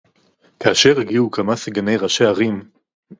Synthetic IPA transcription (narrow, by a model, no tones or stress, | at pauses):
kaːʃeʁiɡiukʰamasiɡane̞jʁaʃeaʁim